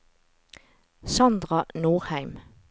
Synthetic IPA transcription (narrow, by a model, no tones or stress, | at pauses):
sɑnd̪ʁɑnuːʁhæɪm